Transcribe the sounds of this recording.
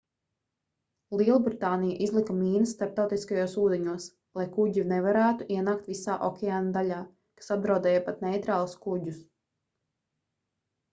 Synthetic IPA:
lˠiɛlˠbɾit̪aːnijaʔizlˠikamiːnɐsːt̪aɾp̚t̪awt̪iskajoːsuːd̪ɛɲuɔs | lˠajkuɟinɛvaɾæːt̪uʔiɛnaːk̚t̪visaːʔɔkʲɛaːnad̪aʎʲaː | kḁsat̪̚d̪ɾawd̪ɛːjapat̪nɛjt̪ɾaːlˠuskuɟus

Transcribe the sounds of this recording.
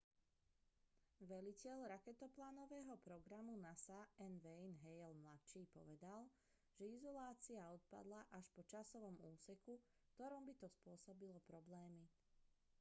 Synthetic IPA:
ʋɛlicɛlɾakɛt̪ɔplaːnɔʋɛːɦɔpɾɔɡɾamunasaɛnʋɛjnɦɛjɛlmlat͡ʃiːpɔ̰ʋɛd̪al | ʒ̥ɛizɔlaːt͡siaɔt̪̚pa̰d̪laʔaʃpɔt͡ʃasɔʋɔmuːsɛku | kt̪ɔɾɔmbit̪ɔspʊɔsɔbilɔpɾɔblɛːmi

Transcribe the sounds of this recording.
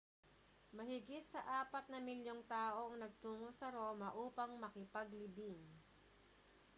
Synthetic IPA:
mɐhɪɡɪt̪̚sɐʔaːpɐt̪̚nɐmɪljoŋt̪aːʔo̞ʔɐŋnɐɡ̚t̪uːŋosɐɾo̞ːmɐʔuːpɐŋmɐkɪpɐɡlɪbɪŋ

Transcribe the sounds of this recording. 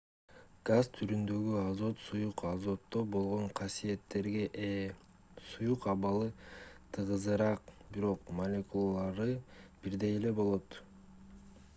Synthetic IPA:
ɡ̥azt̪ʰyɾynd̪ø̞ɡyɑzo̞t̪sujuqɑzo̞t̪ːo̞bo̞lˠʁo̞ɴqʰɑsije̞t̪ːe̞ɾɡe̞ʔe | sujuqɑβɑlˠɯt̪ʰɯʁɯzɯɾɑqbiɾo̞qmɐlʲekulˠalˠɑɾɯb̥iɾd̪e̞jele̞bo̞lˠo̞t̪

